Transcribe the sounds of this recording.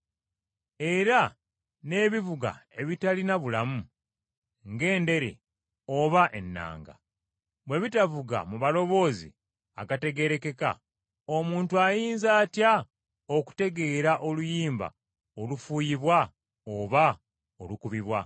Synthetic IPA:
e̞ɾa | ne̞ːβivuɡa̰e̞βitalinaβulamu | ŋɡe̞ːnde̞ɾḛ | oβaʔe̞nːa̰ːŋɡa̰ | βwe̞βitavuɡa̰muβalo̞βo̞ːzḭ | a̰kate̞ɡe̞ɾe̞ke̞ka̰ | o̞muːntuajiːnzaːtja | oku̥te̞ɡe̞ːɾaʔo̞lujiːmba̰ | olufuːjiβwa | oβa | olukuβiβwa

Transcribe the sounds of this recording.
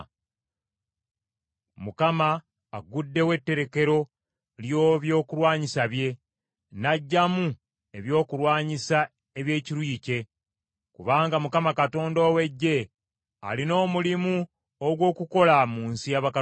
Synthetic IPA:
mukamaː | ɡudːe̞we̞tːe̞ɾe̞ke̞ɾo̞ | ljo̞ːβjo̞ːkulwaːɲisaβje̞ | naɟːamu | e̞βjo̞ːkuɾwaːɲisa | eβje̞ːciɾwiːce̞ | kuβaːŋɡamukamakato̞ːndo̞ːwe̞ɟːe̞ | a̰lino̞ːmulimu | oɡwo̞ːkuko̞lamuːnsijaβaka

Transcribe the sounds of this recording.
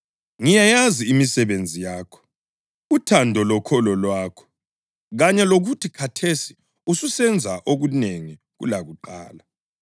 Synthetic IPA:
ŋijajaziimisɛβend͡zʱijaːkʰɔ̥ | utʰandʱɔlɔkʰɔlɔlwaːkʰɔ̥ | ɣaɲɛloɣutʰikʰatʰesi̥ | ususɛnd͡zʱaʔoɣuneŋi | ɣṵlaɣuǃa̰ːla

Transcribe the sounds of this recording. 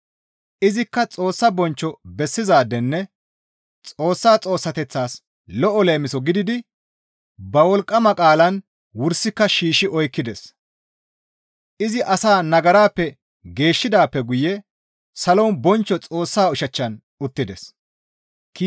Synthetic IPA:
ʔɪzɪkːɐt͡sʼo̞ːsːɐbɔnt͡ʃːɔbɛsːɪzaːd̪ɛnːɛ | t͡sʼo̞ːsːaːt͡sʼo̞ːsːɐt̪ɛt͡sːaːs | lɔʔɔle̞ːmɪsɔɡɪd̪ɪd̪ɪ | bɐwɔlkʼːɐmɐkʼaːlɐn | wʊɾsːɪkːɐʃiːʃɪʔɔjkːɪd̪ɛs | ʔɪzɪʔɐsaːnɐɡɐɾaːpːɛ | ɡe̞ːʃːɪd̪aːpːɛɡʊjɛ | sɐlɔwnbɔnt͡ʃːɔt͡sʼo̞ːsːaːʊʃɐt͡ʃːɐn | ʊt̪ːɪd̪ɛs | kː

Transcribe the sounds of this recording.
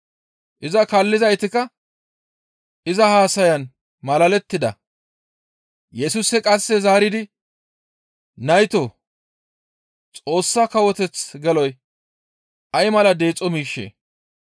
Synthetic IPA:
ʔɪzɐkɐlːɪzɐjt̪ɪkɐ | ʔɪzɐhaːsɐjɐn | mɐlɐlɛt̪ːɪd̪ɐ | jɛsʊsɛkʼɐsːɛzaːɾɪd̪ɪ | nɐjt̪o | t͡sʼo̞ːsːɐkɐwɔt̪ɛt͡sɡɛlɔj | ʔɐjmɐlɐd̪e̞ːt͡sʼːɔmiːʃːḛː

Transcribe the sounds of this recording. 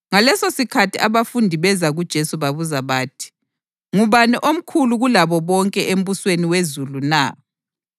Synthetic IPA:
ŋalɛsosikʰatʰiʔaβafundʱiβɛzaɣud̥ʒ̥ʱesuβaβuzaβaːtʰi̥ | ŋuβaniʔom̩kʰuluɣulaβɔβɔŋkʼɛʔem̩βusweniwezuluna

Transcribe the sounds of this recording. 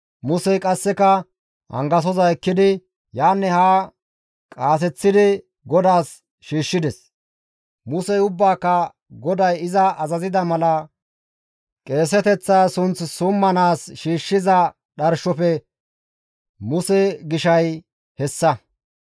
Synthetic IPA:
mʊsɛjkʼɐsːɛkɐ | ɐ̰ŋɡɐs̬ɔzɐɛkːɪd̪ɪ | jaːnːɛhaː | kʼaːs̬ɛt͡sːɪd̪ɪ | ɡɔd̪aːs | ʃiːʃːɪd̪ɛs | mʊsɛjʊbːaːkːɐ | ɡɔd̪ɐjɪzɐɐzɐzɪd̪ɐmɐlɐ | kʼe̞ːs̬ɛt̪ɛt͡sːaːsʊnt͡ssʊmːɐnaːsʃiːʃːɪzɐ | ɗɐɾʃɔpɛ | mʊsɛɡɪʃɐj | hɛsːɐ

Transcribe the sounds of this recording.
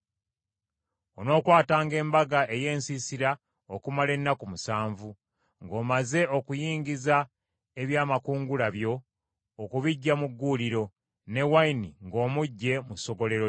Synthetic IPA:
ono̞ːkwaːtaːŋɡe̞ːmbaɡaʔe̞je̞ːnsisiɾa | okumale̞nːakumusaːɱvu | ŋɡo̞ːmaze̞ʔo̞kujiːɲɟiza | e̞βjaːmakuːŋɡulaβjo̞ː | kuβiɟːamuɡːuliɾo̞ | ne̞wainiŋɡo̞ːmuɟːe̞muso̞ɡo̞le̞ɾo

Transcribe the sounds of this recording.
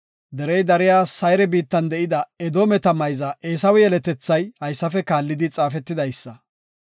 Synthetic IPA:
d̪ɛɾɛjd̪ɐɾɪjaːsɐjɾɛbiːt̪ːɐnd̪ɛʔɪd̪ɐɛd̪oːmɛt̪ɐmɐjzɐeːsɐwɛjɛlɛt̪ɛt͡sːɐjhɐjsːɐfɛkaːlːɪd̪ɪt͡sʼaːfɛt̪ːɪd̪ɐjsːɐ

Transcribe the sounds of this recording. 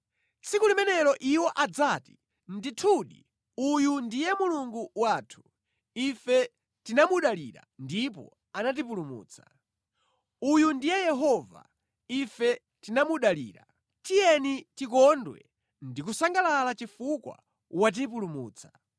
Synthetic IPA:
t͡sʰikulimɛnɛɾɔʔiwɔʔad͡zati̥ | nditʰuɗḭ | ujundijɛmuluŋɡuwaːtʰu̥ | ifɛ | tinamuɗaliɾa̰ndip̬ɔ̰ | anat̬ip̬ulumṵːt͡sʰḁ | ujundijɛjɛɦɔva̰ | ifɛ | tinamuɗalḭːɾa̰ | tijɛnitikɔndwɛ̰ | ndik̬usaŋɡalalat͡ʃifukwa̰ | wat̬ip̬ulumṵːt͡sʰḁ

